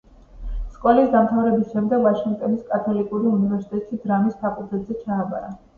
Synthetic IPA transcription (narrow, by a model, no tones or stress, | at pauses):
skʼɔlisd̪amt̪ʰavɾɛbisʃɛmd̪ɛɡvaʃiŋɡ̚t̪ʼɔniskʼat̪ʰɔlikʼuɾiunivɛɾsi̥t̪ʼɛt̪ʼʃid̪ɾamispʰakʼud̪zɛt̪zɛt͡ʃʰaːba̰ɾa